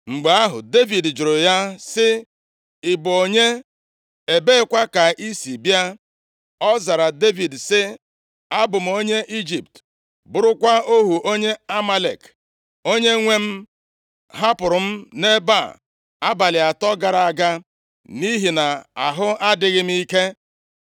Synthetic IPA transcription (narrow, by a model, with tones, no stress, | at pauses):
ŋ͡m̩˨ɡ͡be˨a˦ɦʊ̰˨de˦vi˨dd͡ʒʊ˨ɾʊ˨ja˦sɪ˦ | ɪ˨bʊ˨o˨ɲe˦ | e˨be˦ɪ˦kʷa˦ka˨ʔi˦si˨bja˦ | ɔ˦za˨ɾa˨de˦vi˨dsɪ˦ | a˦bʊ˨m̩˨o˦ɲe˦ʔi˦d͡ʒi˨p̚t | bʊ˨ɾʊ˦kʷa˦o˦ɦu˨ʔo˦ɲe˦a˦ma˦lḛ˨k | o˦ɲe˦ŋʷe˦m̩˦ | ɦa˦pʊ˨ɾʊ˨m̩˦ne˦ba̰˦˨ | a˦ba˨lɪ˨a˨tɔ˦ɡa˨ɾa˨a˦˨ɡa˦ | ni˦ɦi˨na˨a˨ɦʊ˦a˦dɪ˨ɣɪ˦m̩˦i˦ke˦